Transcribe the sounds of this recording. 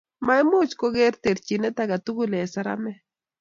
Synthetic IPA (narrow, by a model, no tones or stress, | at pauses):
majmut͡ʃkoɣeɾt̪eɾt͡ʃinet̪aɡat̪ʊɡʊlesaɾa̰me